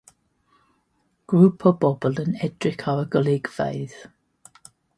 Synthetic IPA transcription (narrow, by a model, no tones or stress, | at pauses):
ɡ̥ɹuːpʰɔbɔbəlˠənɛdɹɪkʰawəɡəlɪɡv̥ḛjð̥